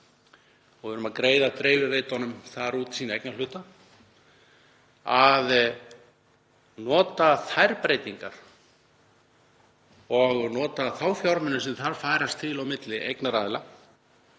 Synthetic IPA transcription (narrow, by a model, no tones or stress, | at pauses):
ɔɣvɪɾʏmaðkɾeːjðat̪ɾeːjvɪvejt̪ɔnʏmθaɾuːt̪siːnaejknalʏːt̪a | að | nɔːt̪aθajɾpɾejt̪iŋka̰ɾ̥ | ɔɣnɔːt̪aθawfjawɾmɛnːʏsɛmθaɾfaːjɾast̪ʰːɪlawmɪt̪lɪʔejknaɾaːðɪla